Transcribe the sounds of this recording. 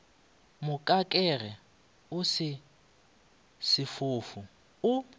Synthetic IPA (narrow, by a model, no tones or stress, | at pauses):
mʊkʼakʼɛrɛ | ʊsɪ | sɪfʊːfʊ | ʊ